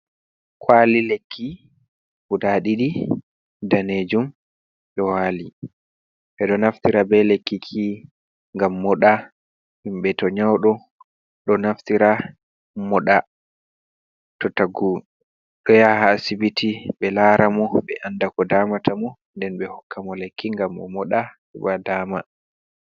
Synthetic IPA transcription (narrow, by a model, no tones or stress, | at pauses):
kʰwalilekːi | hudaɗiɗi | daned͡ʒum | ɗɔwaːli | ɓɛɗɔnaftiɾabɛlekːikʰi | ŋɡamːɔɗa | himɓɛtɔɲawɗɔ | ɗɔnaftiɾa | mɔɗa | tɔtaɡu | ɗɔjahasibitiɓɛlaːɾamɔɓɛʔandakɔdaːmatʰamɔ | ndɛnɓɛhɔkʰːamɔlekʰːiŋɡamɗɔ̰mɔɗa | ɛɓadaːma